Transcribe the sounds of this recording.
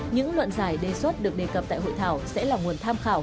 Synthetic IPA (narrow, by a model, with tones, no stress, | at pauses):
ɲɨ̰˧˥ŋlwə̰˧˨nzaː˧˩jɗe˨˩swə˦˥t̚ɗɨ˨˩ək̚ɗe˨˩kə˨˩p̚t̪a̰ː˧˨jɦo̰˧˨jt̪ʰaː˧˩wsɛ̰˧˥laː˨˩ŋu˨˩ənt̪ʰaː˧mxaː˧˩w